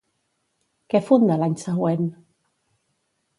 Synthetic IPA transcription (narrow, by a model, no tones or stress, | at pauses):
kɛfond̪alaɲsəɣwen